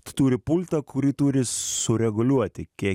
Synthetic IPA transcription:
t̪t̪uːɾʲɪpʊlʲt̪ɐkʰʊɾʲiːt̪uːɾʲɪsʊɾʲɛɡʊlʲuɔt̪ʲɪkʲiɛ

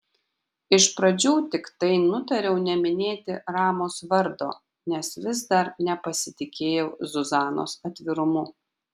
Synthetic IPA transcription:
ɪʃpɾɐd͡ʒʲuːt̪ʲɪkt̪ɐɪnʊt̪ɐɾʲɛʊnʲɛmʲɪnʲeːt̪ʲɪɾɑːmoːsʋɐɾd̪o̰ː | nʲɛsʋʲɪzd̪ɐɾnʲɛpɐsʲɪt̪ʲɪkʲeːjɛʊzʊzɑːno̰ːsɐt̪ʲʋʲɪɾʊmʊ

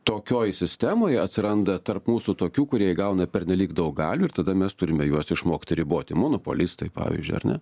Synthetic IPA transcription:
t̪oːkʲoːjsʲɪsʲt̪ʲæmoːjɐt̪ʲsʲɪɾɐnd̪ɐt̪ɐrpmuːsut̪oːkʲuːkʊɾʲiɛjɡɐʊnɐpʲɛɾʲnʲɛlʲiːkd̪ɐʊkɡɑːlʲuːɪɾt̪ɐd̪ɐmʲɛst̪ʊɾʲɪmʲɛjuɔsɪʃmoːkʲt̪ʲɪɾʲɪboːt̪ʲɪmoːnopo̰lʲɪst̪ɐɪpɑ̰ːʋʲḭzʲd͡ʒʲʊ̰ɪɐ̰ɾnʲɛ̰

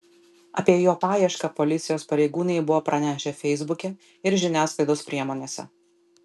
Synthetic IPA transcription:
ɐ̰pʲiɛjoːpɑːjɛʃkɐpɔlʲɪt̪sʲɪjoːspɐɾʲɛɪɡuːnʲɛɪbʊʋoːpɾʔɐnʲæːʃʲɛfʲɛɪzbʊkʲɛ | ɪɾʒʲɪnʲæːsklˠɐɪd̪oːspʲɾʲiɛmoːnʲeːsʲɛ̰

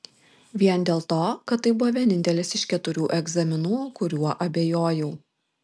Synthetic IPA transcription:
ʋʲiɛnd̪ʲeːlˠt̪oːkɐt̪t̪ːɐɪbʊʋɔʋʲiɛnʲɪnʲt̪ʲɛlʲɪsɪʃkʲɛt̪ʊɾʲuːʔɛɡzɐmʲɪnuːkʊɾʲuɔʔɐbʲeːjoːjuː

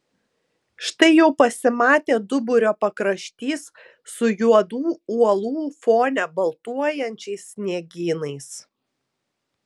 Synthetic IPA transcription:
ʃt̪ɐɪjɛʊpɐsʲɪmɑːt̪ʲeːd̪ʊbʊɾʲoːpɐkɾɐʃʲt̪ʲiːsː | ʊjuɔd̪uːuɔlˠuːfoːnʲɛbɐlˠt̪uɔjɛnʲt͡ʃʲɛɪsʲːnʲiɛɡʲiːnɐɪs

